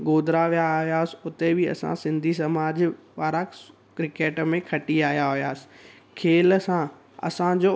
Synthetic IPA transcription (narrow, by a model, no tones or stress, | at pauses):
ɡoːd̪ʱɾaʋijaɦijaːsɪ̥̆ʊt̪ebɪɐ̰sã̰sɪ̃nd̪ʱis̬ɐmaːd͡ʑpaːɾa | kɾɪkeːʈmẽkʰɐʈiaːɦijaɦijaːsɪ̥ | kʰeːlsã | ɐ̰sãd͡ʑoː